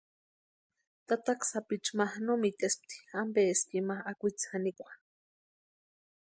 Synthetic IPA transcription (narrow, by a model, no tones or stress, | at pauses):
t̪at̪aksapit͡ʃmahnomit̪esp̚t̪i̥ambeeskimahakʷit͡sanikʷḁ